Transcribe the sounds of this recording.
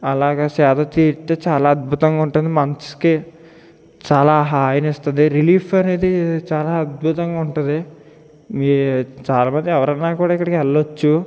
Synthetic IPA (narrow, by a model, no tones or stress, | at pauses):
ɐlaːɡɐːsɛːd̪ɐt̪iːɾt̪eːt͡ʃaːlaːɐd̪̚bʱut̪ɐŋɡaːuɳʈund̪imɐnski | t͡ʃaːlaːɦaːjɐnist̪und̪iɾiliːpʰɐne̞ːd̪it͡ʃaːlaːɐd̪̚bʱut̪ɐŋɡaːuɳʈund̪i | mit͡ʃaːlaːmɐnd̪iɛʋɐɾɐnːaːkuːɽaːikːɐɽikɛlːot͡ʃːu